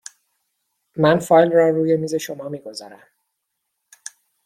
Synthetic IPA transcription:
mænfɒːjlrɒːruːje̞miːze̞ʃo̞mɒːmiːɡo̞zɒ̰ːɾæ̰m

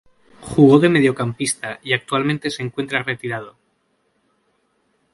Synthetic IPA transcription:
xuɣ̞o̞ðe̞me̞ð̞jo̞kampist̪aiak̚t̪ualmẽ̞nt̪e̞se̞ŋkwe̞nt̪ɾare̞t̪iɾað̞o̞

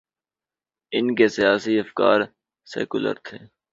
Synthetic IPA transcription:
ɪnkesɪjaːsiɐfka̰ːɾ | sḛːkʊlə̰ɾt̪ʰeː

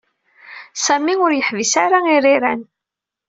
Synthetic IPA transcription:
sæmiʊɾjəħvisaɾairiɾæn

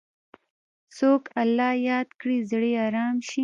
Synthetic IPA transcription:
soːkalːɑːjɑːd̪kɽizɽeɑːɾɑːmʃi

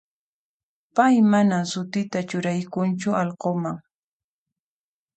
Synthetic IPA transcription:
pajmanamsʊt̪ɪt̪at͡ʃʊɾajkʊnt͡ʃʊʔɑlqomaŋ

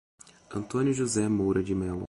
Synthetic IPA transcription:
ɐ̃nt̪õnjʊʒuzɛmowɾɐd͡ʒɪmɛlo̰

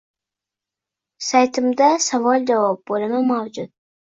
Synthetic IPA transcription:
sajt̪ʰɪmd̪asavɒlˠd͡ʒavɒp̚bolɪmamawd͡ʒʊd̪̥̚

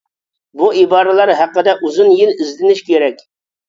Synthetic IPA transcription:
buibɑːɾɨlˠɑɾɦæqːəd̪ɛʔuzunjilizlɪnɪʃkʲʰeɾɛkʲ

